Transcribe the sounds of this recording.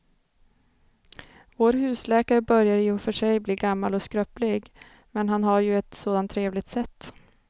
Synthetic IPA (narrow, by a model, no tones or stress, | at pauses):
voːɾhʉ̟ːslɛːkaɾəbœɾjaɾjɵfœʂɛjbliːɡamːalɔskɾœplɪɡ | mɛnɦanɦaɾjɵɛt̪soːd̪ant̪ʰːɾeːvlɪɡ̚t̪sɛt̪ː